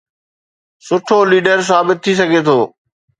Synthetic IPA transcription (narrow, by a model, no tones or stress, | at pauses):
sʊʈʰoliːɖəɾs̬aːbɪt̪̚ʰːis̬ɐɡʱet̪ʰoː